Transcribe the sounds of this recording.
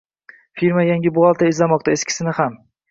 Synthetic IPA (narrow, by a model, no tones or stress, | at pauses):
fiɾmajaŋʲɪbʊɒlˠt̪ʰaɪzlamɒq̚t̪aeskʲʰɪ̥sɪnɪham